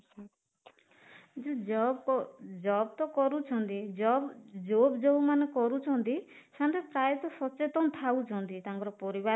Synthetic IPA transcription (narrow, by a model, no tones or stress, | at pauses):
d͡ʒud͡ʒɔbd͡ʒɔbt̪ɔkɔɾut͡ʃʰɔnt̪id͡ʒɔbd͡ʒobd͡ʒoumanekɔɾut͡ʃʰɔnt̪i | sant̪epɾajɔt̪ɔsɔt͡ʃet̪ɔnt̪ʰaut͡ʃʰɔnt̪it̪aŋkɔɾɔpɔɾiba